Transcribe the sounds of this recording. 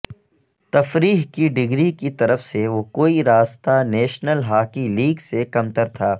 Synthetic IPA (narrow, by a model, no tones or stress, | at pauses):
t̪ɐfɾiːɦkiɖɪɡɾikit̪ɐɾəfseʋokoːiɾaːst̪anɛːʃnəlɦaːkiliːɡsekɐmt̪əɾt̪ʰaː